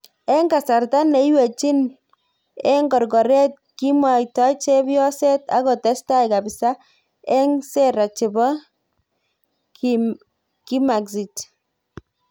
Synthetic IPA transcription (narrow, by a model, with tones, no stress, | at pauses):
ɛ˦ŋɡa˨sa˨rta˦ne˦jwe˨t͡ʃi˦n | ɛ˦ŋɡɔ˨rɡɔ˨ɾe˦t̚ki˦mwa˨jtɔ˦t͡ʃe˦bjɔ˦se˦ta̰˦kɔ˨tɛ˨˦sta˦jkabɪsa˦ | ɛ˦ŋse˦ɾa˨t͡ʃɪ˨bɔ˦ | ki˦ma˨ksi˨t͡ʃ